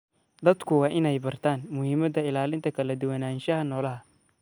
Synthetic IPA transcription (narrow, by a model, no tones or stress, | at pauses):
d̪ɐd̪kʰʊwɑːʔɪnɛjbɐrt̪ʰaːnmʊhiːmɐd̪ɐɪlaːlɪnt̪ʰɐkʰɐlɐd̪ʊwɐnaːnʃɐɦɐnɔːlɐɦɐ